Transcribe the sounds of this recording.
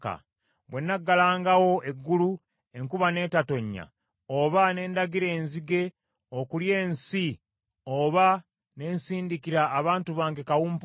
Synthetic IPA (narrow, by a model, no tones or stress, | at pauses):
ka̰ | βwe̞nːaɡːalaːŋɡawo̞e̞ɡːulu | e̞ŋkuβane̞ːtato̞ɲːa̰ | oβane̞ːndaɡiɾe̞ːnziɡe̞ | okulje̞ːnsi | oβa | ne̞ːnsiːndikiɾaːβaːntuβaːŋɡekawuːmp